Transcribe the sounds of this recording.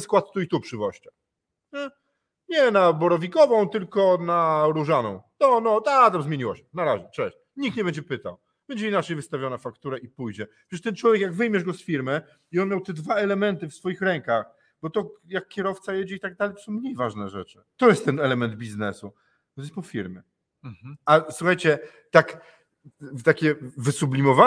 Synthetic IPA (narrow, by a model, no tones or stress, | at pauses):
skwat̪̚t̪uit̪upʂɨvɔɕt͡ɕa | ɲɛ | ɲɛnabɔɾɔvʲikɔvɔ̃w̃t̪ɘlkɔnaɾuʐanɔ̰̃w̃t̪ɔnɔt̪at̪amzmʲjeɲiwɔɕɛ̥naɾaʑɛt͡ʂɛɕ | ɲik̚t̪ɲɛbɛɲd͡ʑɛpɘt̪a̰w | b̥ɛɲd͡ʑɛinat͡ʂɛjvɘst̪avʲjɔnafakt̪uɾɛʔipujd͡ʑɛ | ʂɛʂt̪ɛnt͡ʂwɔvʲjɛkjaɡvɘjmʲjɛʐɡɔsfʲiɾmɘ | iɔnmʲjawt̪ɛd̪vaɛlɛmɛnt̪ɘfsfɔjixɾɛŋkax | bɔt̪ɔjakːʲɛɾɔft̪sajɛd͡ʑɛit̪aɡ̚d̪alɛjt̪ɔsɔ̃w̃mɲejvaʐnɛʐɛt͡ʂɘt̪ɔjɛst̪ːɛnɛlɛmɛnd̪̚bʲiznɛsu | t̪ɛspɔfʲiɾmʲjɛ | aswuxajt͡ɕɛ | t̪ak | t̪akʲɛvɘsublʲimɔva